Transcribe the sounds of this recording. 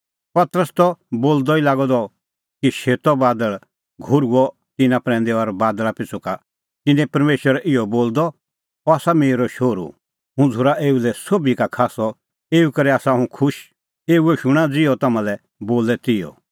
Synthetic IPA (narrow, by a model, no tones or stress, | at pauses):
pɐt̪əɾəst̪ɔboːld̪ɔilaːɡɔd̪ɔ | kiʃeːt̪ɔbaːd̪əɭ | ɡʱʊɾuɔ | t̪ɪnãpɾɛ̃ːnd̪ɛɔɾbaːd̪ɭapɪt͡sʰuka | t̪ɪnɛ̃pɐɾmeːʃʋəɾʔɪjɔboːld̪ɔ | ɔaːsameːɾɔʃoːɾṵ | ɦũd͡zʱʊɾaʔeːulɛsobikakʰaːsɔ | eːukɐɾɛaːsaɦũkʰʊʃ | eːuɛʃʊɽ̃ãd͡zɪɔt̪ɐmãlɛ | boːlɛt̪ɪjɔ̰